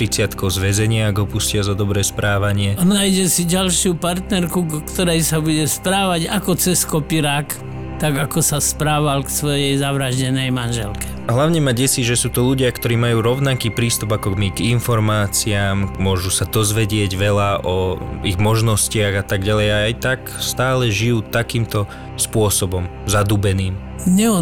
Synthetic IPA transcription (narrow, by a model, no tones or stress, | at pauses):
t̪ɾit͡sɪat̪kɔʊzʋɛzɛɲɪaɡɦɔpuscɪazɔd̪ɔbɾɛːspɾaːʋaɲɪɛnaːjɟɛsiɟalʃɪupaɾt̪nɛɾkukt̪ɔɾɛjsabuɟɛspɾaːʋaɟakɔt͡sɛskɔpiɾak | t̪aɡakɔsaspɾaːʋalksʋɔjɛjzaʋɾaʒɟɛnɛjmanʒɛ̰lkɛ̥ | ɦlaʊɲɛmaɟɛsiʒɛsuːt̪ɔʎuɟɪakt̪ɔɾiːmajuːɾɔʊnakiːpɾiːst̪ubakɔmiɡinfɔɾmaːt͡siaːmmʊɔʒusad̪ɔzʋɛɟɪɛɟʋɛlaʔɔiɣmɔʒnɔscɪaɣat̪aɡɟalɛjaajt̪ak | st̪aːlɛʒijuːt̪akiːmt̪ɔ | spʊɔsɔbɔmzad̪uːbɛniːm | ɲɛɔ